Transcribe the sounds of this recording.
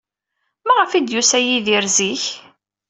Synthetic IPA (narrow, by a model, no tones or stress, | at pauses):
mæʁəfid̪jusæjiðiɾziç